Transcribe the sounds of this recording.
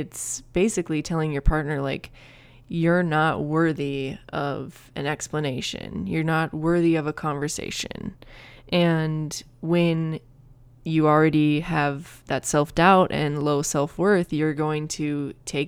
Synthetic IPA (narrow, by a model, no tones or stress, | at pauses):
ɨtsb̥eɪsɨklitʰɛlˠɪ̃ŋjə˞pʰɑɹtⁿnə˞laɪk | jə˞nət̚wɜ˞ðiʌv | ɨ̃nɛkspləneɪʃɨ̰̃njə˞nət̚wɜ˞ðiʌvəkʰɑ̃ɱvə˞sḛɪʃɨ̰̃nʔɨ̃n | wɨ̃n | jɨl̩ˠɹɛɾiɨvðɨtsɛlˠfd̥aʊɾʔɨ̃nloʊsɛlˠfwɜ˞θjə˞ɡoʊɪ̃ŋtʰɨtʰeɪ